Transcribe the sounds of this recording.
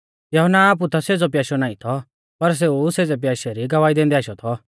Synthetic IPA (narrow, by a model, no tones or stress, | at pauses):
jɐɦɔnaːp̬ut̪ʰaseːd͡zɔp̬jaːʃɔnaːĩt̪ʰɔ | pɐɾs̬euseːd͡zɛp̬jaːʃɛɾiɡɐʋaːid̪ɛ̃ːnd̪ɛaːʃɔt̪ʰɔ